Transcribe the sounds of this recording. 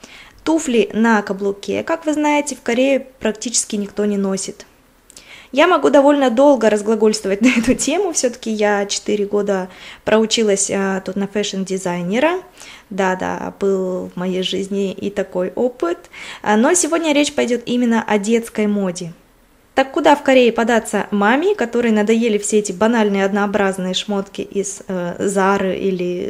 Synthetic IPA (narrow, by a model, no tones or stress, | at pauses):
t̪uflʲɪnɐkɐblˠʊkʲḛkakvɨznajɪtʲɪfkɐɾʲeɪpɾɐktʲit͡ɕɪ̥skʲɪnʲɪkt̪o̞nʲɪno̞sʲɪt̪ | jamɐɡud̪ɐvo̞lʲnəd̪o̞lˠɡəɾəzɡlˠɐɡo̞lʲst̪vəvət̚ʲnɐɛt̪ʊtʲemʊfsʲɵt̪ə̥kʲɪjat͡ɕɪ̥t̪ɨɾʲɪɡo̞d̪əpɾʔəʊt͡ɕilˠəsʲt̪ut̪nɐfɛʂəndʲɪzajnʲɪɾə | d̪ad̪a̰bɨlˠvmɐjejʐɨzʲnʲɪʔḭt̪ɐko̞jopɨt̪no̞sʲɪvo̞dʲnʲəɾʲet͡ɕpɐjdʲo̞t̪imʲɪnːəʔɐdʲe̞t̪skəjmo̞dʲɪ | t̪akːʊd̪afkɐɾʲeɪpɐd̪at̪səmamʲɪkɐt̪o̞ɾɨjənəd̪ɐjelʲɪfsʲeɛtʲɪbɐnalʲnɨjəɐd̪nɐːbɾaznɨjəʂmo̞t̪kʲɪ̰ʔizzaɾɨʔḭlʲɪ